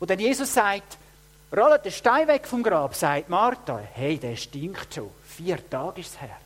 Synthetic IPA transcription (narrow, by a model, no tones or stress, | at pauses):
odɛnjeːsʊsːaɪt | rɔlət̚dəʃtaɪvɛkfɔmɡɾɑːbsaɪt̚mɑɾtɑheɪdɛːʃtɪŋχtʃo̰ːfiːəɾtɑːɡ̥ɪʃshɛ̰ɾ